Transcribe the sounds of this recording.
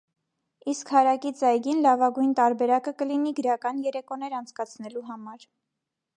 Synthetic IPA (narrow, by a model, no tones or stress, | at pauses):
iskhɑɾɑkit͡sɑjɡinlɑvɑɡujnt̪ɑɾbɛɾɑkəkəliniɡəɾɑkɑnjɛɾɛkɔnɛɾɑnt͡sʰkɑt͡sʰnɛluɦɑmɑɾ